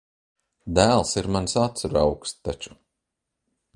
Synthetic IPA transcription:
d̪æːlˠsiɾmansat̪sɾa̰wkst̪at͡ʃu̥

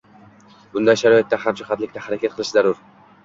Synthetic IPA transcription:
bʊnd̪ajʃaɾɒjet̪ːahamt͡ʃɪχɑt̪lɪk̚ʲt̪ahaɾakʲat̪qʰɨlˠɪʃzaɾʊɾ

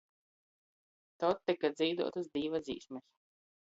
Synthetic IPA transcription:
t̪ɔt̪ːikad̪zʲijd̪ṵɔt̪ɨzd̪iːvad̪zḭːsmɛs

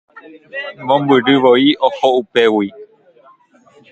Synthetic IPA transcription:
mõmbɨɾɨʋoiʔohoupewi

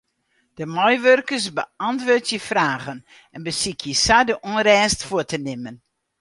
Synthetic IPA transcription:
d̥əmɔjʋørkəsbəɑntʋʊːtjəfraːɣən | ɛnbəsikʰjəsadəʔonɾɛːstfuətənɪmən

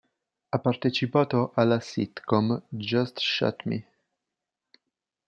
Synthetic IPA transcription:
apaɾt̪et͡ʃipat̪oʔalasit̪kɔmd͡ʒast̪ʃa̰t̪mḭ

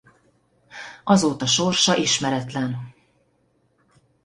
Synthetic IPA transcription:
ɒzoːt̪ɒʃorʃɒʔiʃmɛɾɛt̪lɛn

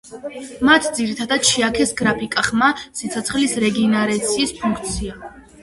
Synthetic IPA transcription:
mat̪ʰd̪ziɾit̪ʰad̪ad̪̚ʃiakʰɛsɡɾapʰikʼaχmasit̪sʰɔt̪sʰχlisɾɛɡinaɾɛt̪sʰiːspʰuŋkʰt̪sʰia

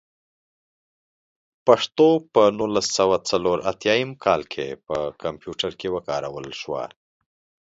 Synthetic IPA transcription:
paʂt̪opənulasːawat͡saloɾʔat̪jɑjəmkʰɑlkʰepəkampjuʈəɾkewəkɑɾawəlʃwa̰

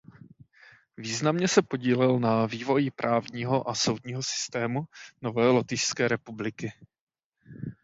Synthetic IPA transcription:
viːznamɲɛsɛpo̞ɟiːlɛlnaviːvo̞jɪpɾʔaːvɲiːɦo̞ʔaso̞wd̪ɲiːɦo̞sɪ̥st̪ɛːmuno̞vɛːlot̪ɪʃskɛːɾɛpublɪkɪ

